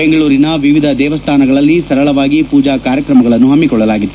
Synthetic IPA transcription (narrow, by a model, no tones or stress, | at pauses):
beŋɡɐɭuːɾinɐʋiʋid̪ʱɐd̪ɛːʋɐst̪ʰaːnɐɡɐɭɐlːisɐɾɐɭɐʋaːɡipuːd͡ʒaːkaːɾjɐkɾɐmɐɡɐɭɐnːuɦɐmːikɔɭːɐlaːɡid̪ːu